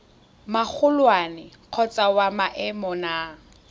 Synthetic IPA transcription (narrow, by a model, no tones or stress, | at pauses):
mak͡xʰʊlwanɪ | q͡χʰɔt͡sʼawamaʔɛmɔnaː